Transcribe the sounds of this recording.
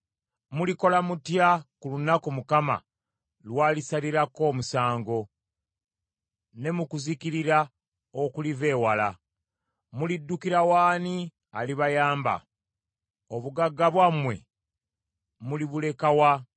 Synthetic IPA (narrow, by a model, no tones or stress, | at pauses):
muliko̞lamutjakulunakomukama̰ | lwaːlisaliɾako̞ːmusaːŋɡo̞ | ne̞mukuzikiɾiɾa | okulive̞ːwala̰ | mulidːukiɾawaːni | aliβajaːmba̰ | oβuɡaɡːaβwamwe̞̰ | muliβule̞kawa